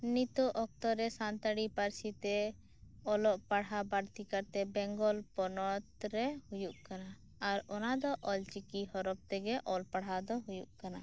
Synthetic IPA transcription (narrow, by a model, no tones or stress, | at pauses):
nit̪ɔʔɔk̚t̪ɔɾɛsant̪aɽipaɾsit̪ɛ | ɔlɔʔpaɽɦabaɽt̪ikaɾt̪ɛbɛŋɡɔlpɔnɔt̪̚ɾɛhujuʔkanaː | ɾɔnad̪ɔʔɔlt͡ʃikihɔɾɔb̚t̪ɛɡɛʔɔlpaɽ̤ɦad̪ɔɦujuʔkana